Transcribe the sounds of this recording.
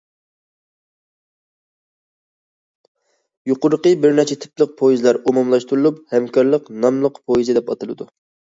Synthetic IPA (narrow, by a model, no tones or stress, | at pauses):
juqʊɾəqəbɪɾnɛt͡ʃʰɛt̪ʰɪ̥plˠəq̚pʰojizlˠɑɾumumlˠɑʃt̪uɾulˠup̚hɛmkʰɑɾlˠəqnɑmlˠəqpʰojizɨd̪ɛpɑt̪ɨlˠɨd̪u